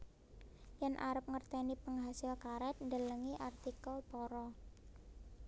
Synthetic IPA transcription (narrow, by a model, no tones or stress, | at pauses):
janʔaɾəp̚ŋərt̪ɛnipəŋɦasɪlkaɾɛt̪̚ndələŋiʔart̪ikəlpɔɾɔ